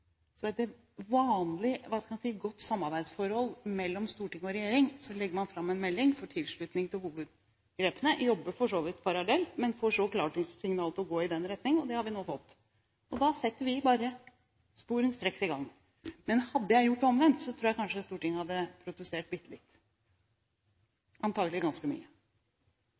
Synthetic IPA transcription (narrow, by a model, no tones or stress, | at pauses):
sɔɛt̪ | ʋɑːnlɪʋɑskʰɑmɑnsiːɡɔt̪ːsɑmːɑɾbæɪd̪sfɔɾhɔlmɛlːɔmst̪uːʈɪŋːɔɾɛjeːɾɪŋsɔlɛɡːəɾmɑnfɾɑmːɛnmɛlːɪŋfɔʈʰɪlʂɭʉt̪nɪŋt̪ʰɪlhuːʋʉd̪ | ɡɾeːpənəjɔbːəfɔʂoːʋɪt̪pʰɑɾɑlɛlt̪mɛnfɔʂɔkʰlɑːʈɪŋssɪŋnɑːlət̪ɔɡoːɪd̪ɛnɾɛt̪nɪŋəɔd̪ɛhɑɾʋɪnoːfɔt̪ː | ɔd̪ɑsɛt̪ːəɾʋɪbɑːɾə | spuːɾʉnst̪ɾɛksɪɡɑŋː | mɛnhɑd̪ːəjæɪjʊʈːɔmʋɛnt̪sɔt̪ʰɾuːjæɪkʰɑnʂəst̪uːʈɪŋːəhɑd̪ːəpʰɾʊt̪əst̪eːʈ̚bɪt̪ːəlɪt̪ː | ʔɑnt̪ʰɑːɡəlɪɡɑnskəmy̰ːə